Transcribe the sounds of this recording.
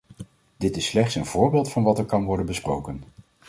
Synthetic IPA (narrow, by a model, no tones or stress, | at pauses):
d̥ɪtɪsːlɛχtsənv̥ʊːɹbɪːlˠtfɑnʋɑtɛɹkɑnʋɔɹdənbəsprowkən